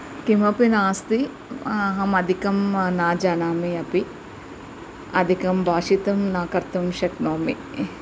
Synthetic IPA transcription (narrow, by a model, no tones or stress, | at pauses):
kimɐpinaːst̪i | ɐɦɐmɐd̪ʱikɐmnaːd͡ʒaːnaːmiɐpi | ɐd̪ʱikɐmbʱaːʂit̪ɐmnaːkɐɾt̪ɐmʃɐknoːmḭ